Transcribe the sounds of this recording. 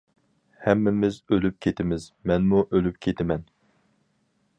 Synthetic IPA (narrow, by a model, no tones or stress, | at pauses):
hɛmːɪmɪzølyp̚kʲʰet̪ʰɪmɪzmɛnmuʔølypkʲʰet̪ʰɪmɛn